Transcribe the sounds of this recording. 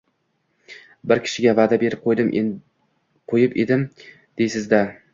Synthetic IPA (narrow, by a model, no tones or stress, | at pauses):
bɪɾkʲʰɪ̥ʃɪɡʲavad̪abe̞ɾɪp̚qʰojd̪ɪmʔ | qʰojɪped̪ɪm | d̪̥ejsɪzd̪a